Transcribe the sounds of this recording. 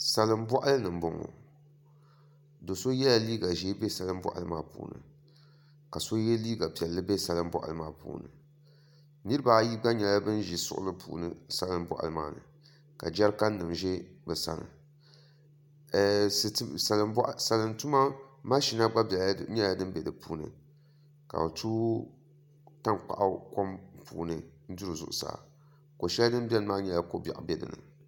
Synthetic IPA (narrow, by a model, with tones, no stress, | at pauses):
sa˨lɨ˦mbɔ˦ʔa˦lɨ˦nɨ˨m˨bʊ˦ŋo̰˨ | do˨so˦jɛ˦la˨liː˦ɡa˨ʒi˦be˦sa˨lɨ˦mbɔ̰˦ʔa̰˨lɨ˦ma̰ː˦pṵː˨nɨ̰˨ | ka˨so˦jɛ˦liː˦ɡa˨pi˨ɛ˨lːɨ˦be˦sa˦lɨ˦mbɔ̰˦ʔa̰˨lɨ˦maː˦pṵː˨nɨ̰˨ | nɨ˦ɾɨ˦ba˨˦ji˦ɡ͡ba˦ɲɛ˨la˦bɨ˦nʒi˨sʊ̰˦ʔʊ̰˦lɨ˦pʰṵː˨nɨ˨sa˦lɨ˦mbɔ̰˦ʔa̰˨lɨ˨ma̰ː˦˨nɨ̰˨ | ka̰˨d͡ʒɛ˦ɾka˦nː˦ɨ˨mʒɛ˦bɨ˨sa̰˦nɨ̰˨˦ | sa˨lɨ˦mbʔsa˨lɨ˨ntu˦ma˦ma˦ʃi˦na˦ɡ͡ba˦bɲɛ˦la˦dɨ˦m˦bɛ˨dɨ˨puː˨nɨ̰˨ | ka̰˨o˨tʰu˦ | ta˦ŋk͡pa̰˨ʔa˦ko˦mpṵː˨nɨ˨n̩˦du˦ɾɨ˨zʊ̰˨ʔʊ˨sa̰ː˨ | ko˨ʃɛ˦la˦dɨ˦m˦bʲɛ˦lmaː˦ɲɛ˦la˦ko˦ba˨ʔbʲɛ˨dɨ̰˨nɨ̰˨